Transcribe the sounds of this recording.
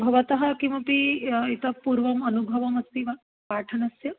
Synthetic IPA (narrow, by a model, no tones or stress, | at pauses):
bʱɐʋɐt̪ɐɦɐ̆kimɐpiit̪ɐpuːɾʋɐmɐnubʱɐʋɐmɐst̪iʋa | paːʈʰɐnɐsjɐ